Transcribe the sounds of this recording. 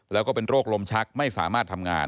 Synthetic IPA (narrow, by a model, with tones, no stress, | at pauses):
lɛː˦˥kɔː˥˩pe˧nɾoː˥˩k̚lo˧mt͡ɕʰa˦˥k̚ma˥˩jsaː˩˦maː˥˩t̪ʰːa˧mŋa̰ː˧n